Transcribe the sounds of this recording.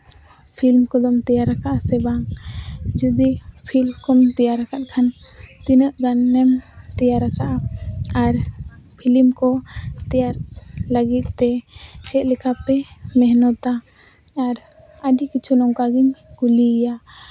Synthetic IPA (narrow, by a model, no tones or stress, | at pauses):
pʰilmkɔd̪ɔmt̪ɛjaɾakaʔasɛbaŋ | d͡ʒud̪ipʰilmkɔmt̪ɛjaɾakat̪̚ˀkʰant̪inəʔɡanːɛmt̪ɛjaɾakaʔaaɾpʰilimkɔt̪ɛjaɾləɡit̪̚ˀt̪ɛt͡ʃʰɛt̪̚lɛkʰapɛmɛɦnɔt̪aː | ɾ | əɖikit͡ʃʰunɔŋkaɡiɲkulija